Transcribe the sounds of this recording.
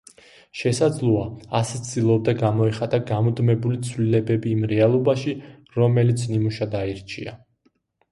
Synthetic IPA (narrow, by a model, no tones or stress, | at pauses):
ʃɛsad̪zlˠɔaːst̪sʰd̪ilˠɔb̚d̪aɡamɔɛχat̪ʼaɡamɔd̪mɛbulit̪sʰvlilɛbɛbiːmɾɛalˠɔbaʃi | ɾɔmɛlit̪sʰnimuʃad̪aiɾt͡ʃʰia̰